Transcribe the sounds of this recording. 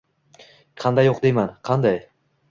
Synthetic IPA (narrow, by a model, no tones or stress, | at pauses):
qʰɑnd̪ajːoq̚d̪ejmanqʰɑnd̪ɑj